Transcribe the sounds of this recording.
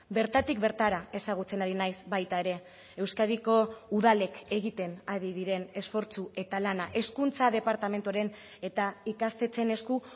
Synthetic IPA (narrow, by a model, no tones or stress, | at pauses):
be̞ɾt̪at̪ik̚be̞ɾt̪aɾae̞saɣ̞ut͡se̞naɾinajzbajt̪ae̞ɾe̞ | ewskað̞iko̞uðale̞ke̞ɣit̪e̞naɾiðiɾe̞ne̞sfo̞ɾt͡sue̞t̪alanaʔe̞skunt͡sað̞e̞paɾt̪ame̞nt̪uaɾe̞n | e̞t̪aikast̪e̞t͡se̞ne̞sku